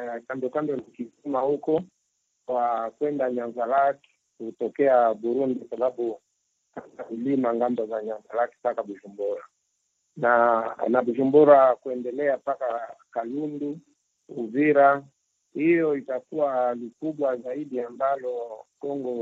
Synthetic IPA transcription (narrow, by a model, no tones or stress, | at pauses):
kambɔkambɔnikizimahukɔ | kwakwɛndaɲaŋzalakɛ̥ | kutɔkɛaɓuɾundikasaɓaɓu | kamailimaŋɡambɔzaɲaŋzalakɛ̥pakaɓuʒumbɔɾa̰ | nanaɓuʒumbɔɾakuɛndɛlɛapakakalundu | uviɾa | hijɔitakualikuɓwazaiɗiambalɔkɔŋɡɔ